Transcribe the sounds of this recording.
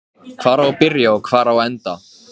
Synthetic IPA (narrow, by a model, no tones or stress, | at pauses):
kʰv̥aːɾaɔpɪɾjaɔkʰv̥aːɾaɔɛnt̪a